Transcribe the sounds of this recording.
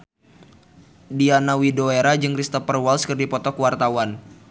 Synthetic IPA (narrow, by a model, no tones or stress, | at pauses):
dianawidoeɾad͡ʒɨŋɾist̪apərwalskɨrdipɔt̪ɔkwart̪awan